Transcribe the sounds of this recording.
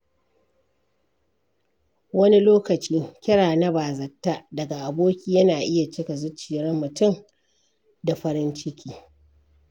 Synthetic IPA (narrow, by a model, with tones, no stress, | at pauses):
wɐ˦ni˦loː˦kɐ˨t͡ʃiː˦kʲɪ˦ɽaː˨na˦baː˨zɐ˨tːa˦dɐ˨ɡa˨ʔa˨boː˦kʲiː˦jɐ˦naː˨ʔɪ˦ja˨t͡ʃɪ˦ka˨zʊ˦t͡ʃːiː˨ɽɐ˦mːʊ˨tʊ˦˨m | da˨ɸɐ˦ɾɪ˦nt͡ʃɪ˦kʲʰiː˦